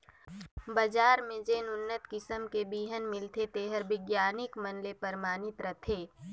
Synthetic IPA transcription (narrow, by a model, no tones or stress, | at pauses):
bɐd͡ʒaːɾmẽd͡ʒeːnʊnːət̪kɪsəmkebiːɦənmɪlt̪ʰet̪eːɦəɾbɪɡjaːnɪkmɐnlepɐɾmaːnɪt̪ɾɐt̪ʰeː